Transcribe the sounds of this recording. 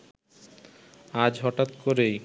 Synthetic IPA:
ad͡ʑɦɔʈat̪koɾej

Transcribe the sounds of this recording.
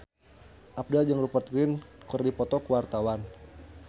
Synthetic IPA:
ʔap̚dad͡ʒaŋɾupət̪̚ɡɾɪnkɨrdipɔt̪ɔkəwart̪awan

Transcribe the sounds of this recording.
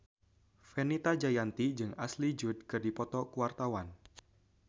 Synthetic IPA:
fenit̪ad͡ʒajant̪id͡ʒɨŋaslid͡ʒud̪̚kɨrdipɔt̪ɔkuwart̪awan

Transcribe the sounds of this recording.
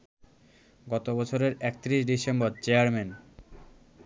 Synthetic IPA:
ɡɔt̪obɔt͡ɕʰoɾeɾɛk̚t̪ɾiʃɖisemboɾt͡ɕeaɾmen

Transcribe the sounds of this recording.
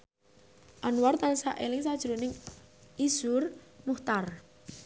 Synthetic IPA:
ʔanwart̪anisaʔelɪŋsad̥ʒ̥ɾunɪŋʔizʊrmuht̪ar

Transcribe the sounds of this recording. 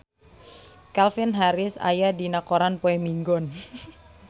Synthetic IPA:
kalfinɦaɾɪsa̰jadinakoɾanpoɛmiŋɡɔn

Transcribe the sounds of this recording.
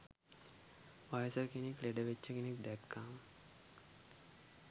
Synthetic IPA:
ʋajəsəkenekleɖəʋet͡ʃːəkenek̚d̪ækːaːmə

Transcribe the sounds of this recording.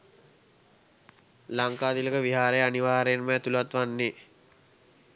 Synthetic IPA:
laŋkaːd̪iləkəʋiɦaːɾəjaniʋaːɾenməːt̪ulʋat̪ʋanːe

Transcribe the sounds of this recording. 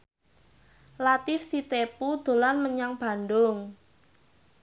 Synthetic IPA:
lat̪ɪfsit̪epud̪̥o̤lanməɲaŋb̥a̤nd̪ʊŋ

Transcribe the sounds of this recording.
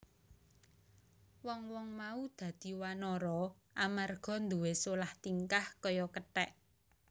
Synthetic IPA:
wɔŋwɔŋmaud̪̥ä̤d̪̥i̤wanɔɾɔ | ʔamarɡ̥ɔ̤nd̪uwesolaht̪iŋkahkɔjɔkəʈɛʔ

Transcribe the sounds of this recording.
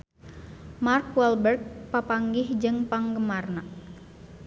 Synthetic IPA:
markwɛlbərɡ̚papaŋɡɪhd͡ʒɨŋpaŋɡəmarna

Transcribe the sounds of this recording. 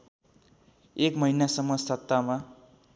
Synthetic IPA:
ekmʌɦinasʌmːʌsʌt̪ːama

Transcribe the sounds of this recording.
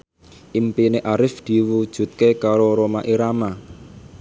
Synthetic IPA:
ʔimpineʔaɾɪfd̪̥i̤wud̥ʒ̥ṳt̪̚kekaɾoɾomaʔiɾama

